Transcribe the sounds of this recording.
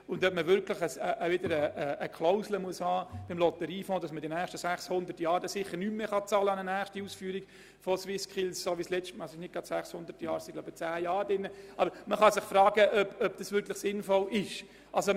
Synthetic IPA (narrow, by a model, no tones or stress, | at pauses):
ʊndœpməʋʏɾklɪχəsəʔʋɪdəɾəəːkʰlɔʊzləmuəshɑːb̥ɪmlɔt̪əɾiːfõːd̥ɑsmədinæːʃtəsæχshʊnd̪ərtjɑːɾdɛsɪχːəɾnymːeχɑt͡sɑːləɑnənæːχʃtiuːsfyːɾiɡ̥ | fɔswɪskχilssoːʋislɛt͡ʃtmɑsɪʃnɪt̚ɡ̥ɑd̥sæχshʊnd̥̪əɾtjɑːɾsɪ̥laʊb̥ət͡sæːjɑːɾdɪnːəʔɑbəɾməχɑsɪχfrɑːɡ̥əʔœb̥œb̥̚d̥ɑsʋʏɾklɪχsɪnfɔlɪʃ | ʔɑlso